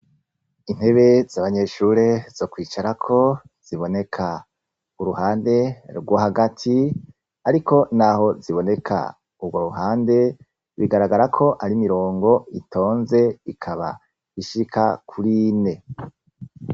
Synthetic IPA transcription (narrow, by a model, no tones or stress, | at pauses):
in̥he̞βe̞z̥aβaɲe̞ʃuɾezo̞kwiːt͡ʃaɾakʰo̞ | z̥iβo̞ne̞kʰa | uɾuhaːnde̞ɾɡwohaɡatʰi | aɾikʰo̞naɦo̞ziβo̞ne̞kʰa̰ | ubɡoɾuɦaːnde̞ | βiɡaɾaɡaɾakʰo̞ʔaɾimiɾo̞ːŋɡo̞itʰo̞ːnze̞ikʰaβa̰ | iʃikʰakʰuɾine̞